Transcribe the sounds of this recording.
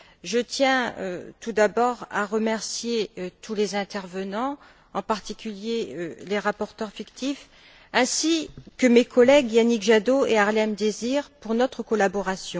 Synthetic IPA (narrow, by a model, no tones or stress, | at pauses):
ʒət̪jɛ̃ø̰t̪ud̪abɔʁa̰ʁəmɛʁsjeøt̪ʰulezɛ̃t̪ɛʁvənɑ̃ | ɑ̃paʁt̪ikʲyljeøleʁapɔʁt̪œʁfikt̪if | ɛ̃sikəmekʰɔlɛɡjanikʒad̪oeaʁlɛmd̪eziʁpuʁnɔt̪χəkɔlabɔʁasjɔ̃